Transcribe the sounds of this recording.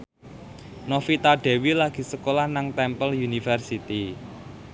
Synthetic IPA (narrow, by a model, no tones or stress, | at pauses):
nɔfit̪aɖ̥ɛ̤wilaɡ̥i̤səkolahnaŋt̪ɛmpəljunifɛrsit̪i